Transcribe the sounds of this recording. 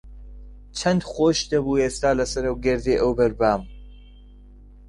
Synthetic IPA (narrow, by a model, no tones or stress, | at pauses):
t͡ʃʰɐnd̪xoːʃd̪ɐbuːeːst̪aːlɐsɐɾɐwɡɛɾd̪eːʔɐwbɐɾbaːm